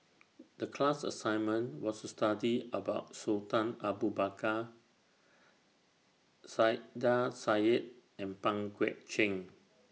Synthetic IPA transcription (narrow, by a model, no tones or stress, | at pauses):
dəkʰlasə̰sãjnmə̃nwɔstustadiəbaʊtsotãnabubaka | sadasaɛt̚ | ɛ̃npãŋɡwɛ̰ʔ̚t͡ʃɛ̃ŋ